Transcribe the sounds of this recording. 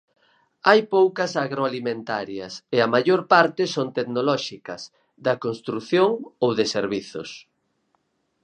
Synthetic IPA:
ajpowkɐsaɣɾoalimẽnt̪aɾjɐseɐmaʝoɾpaɾt̪ɪsont̪eknolɔʃikɐs | ðɐkonst̪ɾuθjoŋowðeseɾβiθʊ̰s

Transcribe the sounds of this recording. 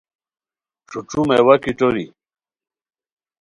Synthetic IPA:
ʈ͡ʂuʈ͡ʂumewɐkiʈ͡ʂoɾḭ

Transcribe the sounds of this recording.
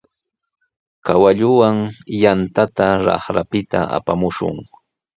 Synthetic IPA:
kawaʎʊwaŋjant̪at̪aɾɑ̰χɾapɪt̪a̰ʔa̰pamʊʃʊ̰ŋ

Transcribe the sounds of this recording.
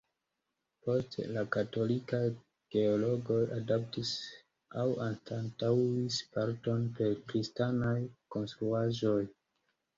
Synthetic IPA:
po̞stlakato̞lika | ɡ̥e̞olo̞ɡo̞jʔadap̚tis | awanstantawispaɾto̞npe̞ɾkɾistanajko̞nstɾuaʒo̞j

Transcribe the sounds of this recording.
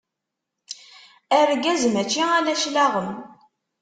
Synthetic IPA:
æɾɡæzmæt͡ʃːiælæʃlaʁəm

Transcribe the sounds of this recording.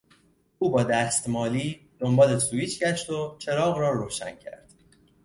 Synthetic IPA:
ʔuːbɒːd̪æːst̪mɒːliː | d̪̥o̞mbɒːlesuːiːt͡ʃʰɟæʃt̪o̞t͡ʃʰe̞ɾɒːɣɾɒːɾoːʃæ̰ncʰæ̰ɾd̪̥

